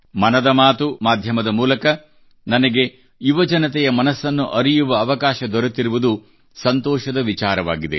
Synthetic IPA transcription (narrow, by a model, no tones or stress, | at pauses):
mɐnɐd̪ɐmaːt̪umaːd̪ʱjɐmɐd̪ɐmuːlɐkɐ | nɐnɐɡe̞ | juʋɐd͡ʒɐnɐt̪ɛjɐmɐnɐsːɐnːuʔɐɾijuʋɐːʋɐkaːʃɐd̪ɔɾɐt̪iɾuʋud̪u | sɐnt̪ɔːʃɐd̪ɐʋit͡ʃaːɾɐʋa̰ːɡid̪ḛ